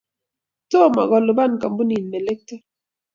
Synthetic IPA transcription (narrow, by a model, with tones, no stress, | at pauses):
to˦˨ma̰˨ɣɔ˨lʊ˨ba˦˨nka˨m˦bu˦ni˨nme˨le˦k̚te˦